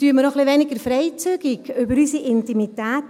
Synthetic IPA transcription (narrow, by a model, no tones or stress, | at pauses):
tyːəməɾɔχliʋɛnɪɡəɾfɾɛɪt͡syːɡɪɡʏbəɾysiʔɪntimitɛːt